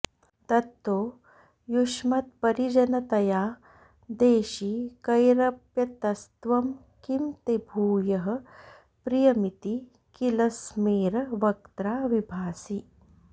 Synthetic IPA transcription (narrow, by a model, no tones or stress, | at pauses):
t̪ɐt̪ːoː | juʂmɐt̪̚pɐɾid͡ʒɐnɐt̪ɐjaː | d̪eːʃiːkɐjɾɐpjɐt̪ɐst̪ʋɐm | kimt̪ebʱuːjɐɦɐ̆ | pɾijɐmit̪i | kilɐsmiːɾʋɐk̚t̪ɾaːʋibʱaːsi